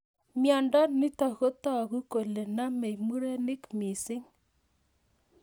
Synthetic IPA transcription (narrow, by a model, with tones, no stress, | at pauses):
mja˨nda˦ni˦ta˨ɣo˦ta˦˨ɣu˦ko˨le˨na˦mɛ˨i˨mu˦ɾe˦nɪ˦kmi˨si˦ŋ